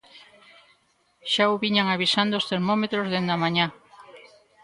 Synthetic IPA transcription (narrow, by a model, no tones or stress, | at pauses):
ʃawβiɲaŋaβisand̪oːst̪eɾmɔmet̪ɾozðend̪amaɲa